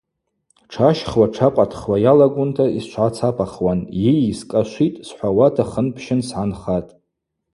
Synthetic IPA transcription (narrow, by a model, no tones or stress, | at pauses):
ʈ͡ʂʰaʃχwaʈ͡ʂʰaqʷʼatʰχwajalaɡʷʊntʰaiʃʷʰʕat͡sʰapʰaχwanjejiskʼaʃʷitʼsħʷawatʰaχənpʰʃɪnsʕanχatʼ